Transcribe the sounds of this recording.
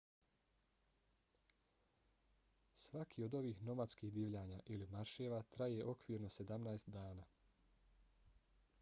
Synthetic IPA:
sʋakʰio̞d̪o̞ʋiːxno̞mat̪skiɦd̪iːʋʎaːɲaːʔilimaɾʃeːʋaːt̪ɾajeʔo̞kʋiːɾno̞se̞d̪amnaest̪d̪aːnaː

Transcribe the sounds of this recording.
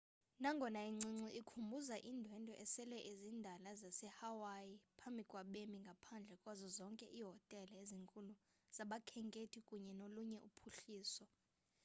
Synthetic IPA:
naŋɡʱɔnaiŋ͡ǀiŋ͡ǀiʔikʰumbʱuzaʔindʱwɛndʱʼɔʔɛsɛlɛʔezindʱalazasɛhawajipʰambʱikʼwaɓemiŋɡʱapʰand͡ɮʱɛkʼwazɔzɔŋkʼɛʔiɦɔtʼɛlaeziŋkʼulu | z̥aɓakʰɛŋkʼetʰikʼuɲɛnoluɲɛʔupʰuɬiːsɔ

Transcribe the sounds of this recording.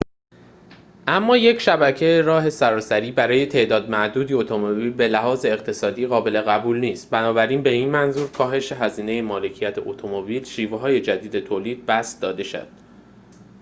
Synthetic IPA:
ʔæmːɒːje̞cʰʃæbæcʰejeɾɒːɦe̞sæɾɒːsæɾiːbæɾɒːje̞t̪ʰe̞ʔd̪ɒːd̪̚mæʔd̪uːd̪iot̪ʰomobiːlbe̞læɦɒːze̞ːqt̪ʰe̞sɒːd̪iːɣɒːbe̞le̞ɣæbuːlniːst̪bænɒːbæɾiːnbe̞iːnmænzuːɾkʰɒːɦe̞ʃe̞ɦæziːne̞jemɒːle̞cʰijæt̪ʰeʔot̪ʰomobiːlʃiːveɦɒːje̞d͡ʒæd̪iːd̪e̞t̪ʰoːliːd̪̚bæsd̪ɒːd̪e̞ʃo̰d̪̥

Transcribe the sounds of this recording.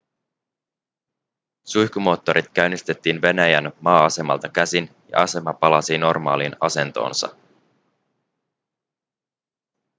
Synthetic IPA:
sujçkumo̞ːt̪ːo̞ɾʔit̪k̟æɥnist̪e̞t̪ːiːnʋe̞næjænmɑːɑse̞mɑ̰lt̪ɑkæsin | jɑ̰ʔɑse̞mɑpɑlɑsino̞rmɑ̰ːlinɑse̞nt̪o̞̰ːnsɑ̰

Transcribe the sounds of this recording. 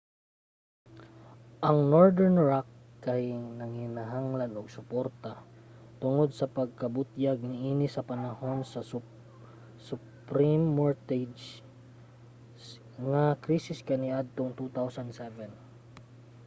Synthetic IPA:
ʔɐŋnoɹd̪ɛɹnɹakː | ɐjnɐŋɪnaɦaŋlɐnoɡ̚sʊpoɾt̪at̪ʊŋo̞d̪̚sɐpɐɡ̚kɐbʊt̪jaɡ̚nɪʔiːnɪsɐpɐnɐho̞nsɐs | sʊ | pɾimːoɹt̪ɛd͡ʒ | ŋɐkɾiːsɪskɐniʔad̪̚t̪oŋt̪ut̪awsɐnd̪sɛvɛn

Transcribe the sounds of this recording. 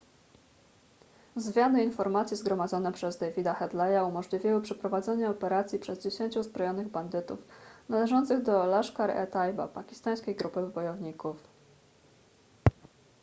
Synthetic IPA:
zmʲjanɘinfɔɾmat̪sʲjizɡɾɔmad̪zɔnɛpʂɛzd̪ɛjvʲid̪axɛd̪lɛjaumɔʐlʲivʲiwɘpʂɛpɾɔvad̪zɛɲaɔpɛɾat̪sʲjipʂɛzd͡ʑeɕeɲt͡ɕuzbɾɔjɔnɘɣband̪ɘt̪ṵfnalɛʐɔnt̪sɘɣd̪ɔlaʂkaɾɛ̰t̪ajba̰pakʲi̥st̪aj̃skʲejɡɾupɘbɔjɔvɲikuf

